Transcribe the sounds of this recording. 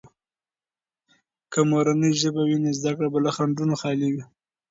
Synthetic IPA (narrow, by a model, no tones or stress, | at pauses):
kamoɾanəjʒəbawinezd̪akɽabalaxaɳɖunoxɑliwi